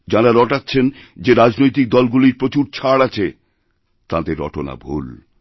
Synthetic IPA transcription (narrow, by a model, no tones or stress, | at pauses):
d͡ʑaɾaɾɔʈatːɕʰend͡ʑeɾad͡ʑnojt̪̬ik̚d̪ɔlɡuliɾpɾot͡ɕuɾt͡ɕʰaɽat͡ɕʰe | t̪ã̰d̪eɾɔ̰ʈona̰bʱṵl